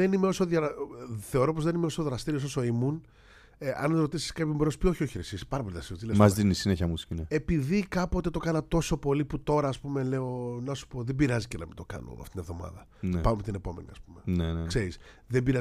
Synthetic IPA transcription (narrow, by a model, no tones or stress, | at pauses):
enimeo̞soðjɐθe̞oɾo̞pozðenimeosoðɾɐst̪iɾios̬oso̞imun | eʔɐ̰nɾo̞t̪isi̥skɐpçomenospio̞çioçiɾesispɐɾɐpoliðɐst̪iot̪ilemɐzinisineçɐmuscinee̞piðikɐpo̞t̪e̞t̪o̞kɐnɐt̪o̞so̞po̞liput̪o̞ɾɐːspume̞le̞o̞nɐsu̥po̞ðe̞biɾɐzicenɐmḭd̪t̪o̞kɐ̰no̰ɐ̰ft̪it̪inevðo̞mɐ̰ðɐ | nepɐmemt̪ine̞po̞me̞̰nḭɐ̰spume̞nenekse̞ɾisðebiɾɐ